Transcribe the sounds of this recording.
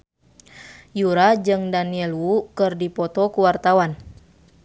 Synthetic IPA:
juɾad͡ʒɨŋdaniɛlwukɨrdipɔt̪ɔkuwart̪awan

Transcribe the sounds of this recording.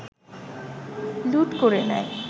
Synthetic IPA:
luʈkoɾenɛ̰j

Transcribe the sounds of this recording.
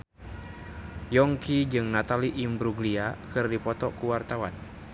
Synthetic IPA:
jɔŋkid͡ʒɨŋnat̪aliʔimbɾuɡliakɨrdipɔt̪ɔkuwart̪awan

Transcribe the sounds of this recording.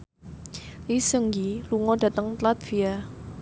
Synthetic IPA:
lisəŋjiluŋɔɖ̥ä̤t̪əŋt̪lat̪̚v̥ia

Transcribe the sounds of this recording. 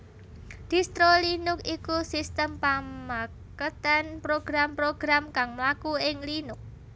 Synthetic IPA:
d̪̥i̤st̪ɾolinʊkikusist̪əmpama | kət̪anpɾoɡ̥ɾampɾoɡ̥ɾamkaŋmlakuɪŋlinʊk̚

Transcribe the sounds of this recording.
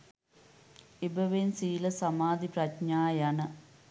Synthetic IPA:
ibɐʋensiːlɐsɐmaːd̪ʱipɾɐtɲaːjɐnɐ

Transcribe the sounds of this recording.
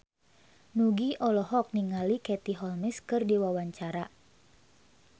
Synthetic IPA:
nuɡiʔɔlɔɦɔk̚niŋalikɛt̪iɦɔlmɛskɨrdiwawaɲt͡ʃaɾa

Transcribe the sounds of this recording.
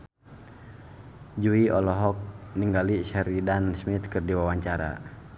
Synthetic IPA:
d͡ʒuiɔlɔɦɔk̚niŋɡaliʃaɾidansmit̪̚kɨrdiwawaɲt͡ʃaɾa̰

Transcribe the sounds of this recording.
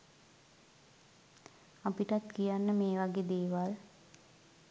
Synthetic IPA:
apiʈat̪kijanːəmeːʋaɡed̪eːʋal

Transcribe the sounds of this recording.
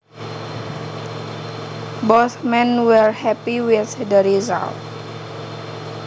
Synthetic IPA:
boθmɛ̃nwɛɹhɛpiwɪθdəɾiza̰lt

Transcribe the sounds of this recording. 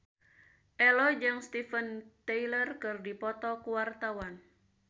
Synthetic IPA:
ʔɛlɔd͡ʒɨŋst̪ifənt̪eilərkɨrdipɔt̪ɔkuwart̪awan

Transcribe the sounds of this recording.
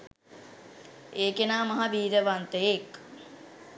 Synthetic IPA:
eːkenaːmɐɦabiːɾəʋant̪əjek

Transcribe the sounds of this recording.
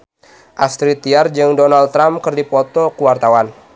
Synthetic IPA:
ʔast̪ɾit̪iard͡ʒɨŋdonalt̪ːɾamkərdipɔt̪ɔkəwart̪awan

